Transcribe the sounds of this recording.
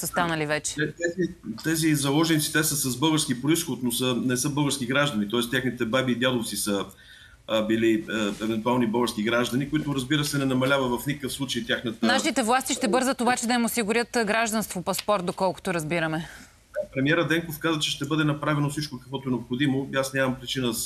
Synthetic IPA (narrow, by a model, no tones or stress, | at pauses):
səst̪anɐlivɛt͡ʃɛ̥ɛt̪ɛzit̪ɛzizɐlˠɔʒɛnit̪si̥t̪ɛsəsɐzbɤɡəɾskʲipɾoisxot̪nosənɛsɤbɤɡəɾskʲiɡɾaʒd̪ɐnit̪ɔɛst̪ʲjaxnit̪ɛbabiːd̪ʲjad̪ˠot̪sisə | biliəɛvɛnt̪ualˠnibɤɡəɾskiɡɾaʒd̪ɐnikʊit̪ʊɾəzbiɾəsɛnɛnɐmɐlʲavɐt̪vɐfnikəkəfslˠut͡ʃəjt̪ʲaxnət̪naʃit̪ɛvlˠast̪iʃt̪ɛbɤɾzət̪obat͡ʃɛd̪ɐimosiɡʊɾʲət̪ɡɾaʒd̪ɐnst̪vopɐspɔɾt̪̚d̪okɔlˠkʊ̥t̪oɾɐzbiɾɐmɛ | apɾɛmiɛɾəd̪ɛŋkofkazvət͡ʃɛʃt̪ɛbɤd̪ɛnɐpɾavɛnosit͡ʃkokəkvɔt̪oɛnopxod̪imoiasnʲamɐmpɾit͡ʃinəs